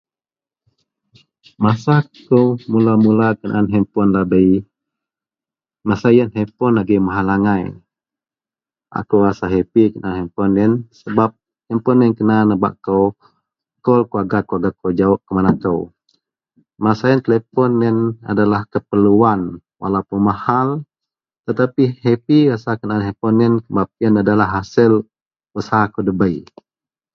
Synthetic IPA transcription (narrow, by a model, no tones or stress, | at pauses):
masakowmulamulakəna̰ʔanɦɛmpɔnlabəi | masajənɦɛpɔnaɡimaɦalaŋaj | ʔa̰kuwasaɦepikənaanɦɛmpɔnːɛnsəbap̚ | hɛmpɔnːɛnkənanəba̰ʔkow | kɔlkuaɡakːoaɡakowd͡ʒaɔʔkəmanakəw | masaɛnt̪əlɛpɔnɛna̰dalahkəpəluan | wʔa̰laupunmahal | t̪ət̪apihepiasakənanɦempɔnɛnkəbap̚ɛnadalaɦːasil | usaɦakodəbəj